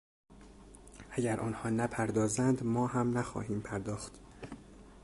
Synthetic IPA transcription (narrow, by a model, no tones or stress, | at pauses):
ʔæɟæɾʔɒːnhɒːnæpʰæɾd̪ɒːzænd̪mɒːhæmnæxɒ̰ːɦiːmpʰæɾd̪ɒːxt̪